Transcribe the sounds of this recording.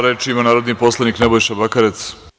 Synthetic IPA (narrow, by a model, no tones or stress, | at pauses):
ɾet͡ʃiimanaːɾod̪nipo̞slˠaniknebojʃabakaɾe̞t̪s